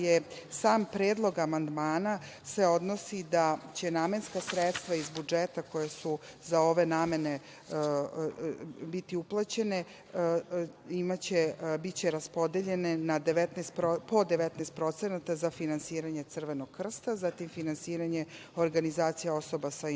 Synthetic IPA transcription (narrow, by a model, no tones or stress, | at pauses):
jesaːmpɾeːd̪lˠo̞ɡamand̪maːna | se̞o̞d̪no̞sid̪at͡ɕe̞naːme̞nskasɾet̪st̪ʋaizbud͡ʒet̪ako̞jesuzao̞ʋe̞naːme̞ne | bit̪iuplˠat͡ɕe̞ne̞ | imat͡ɕebit͡ɕe̞ɾaspo̞d̪eʎe̞ne̞nad̪eʋet̪nest̪opo̞d̪eʋet̪nest̪̚pɾo̞t̪senat̪azafinansiːɾaɲe̞t̪sr̩ʋe̞noɡ̚kr̩st̪azat̪imfinansiːɾaɲe̞ | o̞ɾɡanizaːt̪sijao̞so̞basa